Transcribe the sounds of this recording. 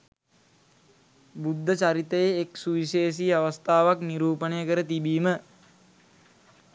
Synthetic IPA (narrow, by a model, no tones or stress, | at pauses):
bud̪ʱːət͡ʃaɾit̪əjeːksuʋiseːs̬iːaʋast̪ʰaːʋakniɾuːpənəjəkəɾət̪ibiːmə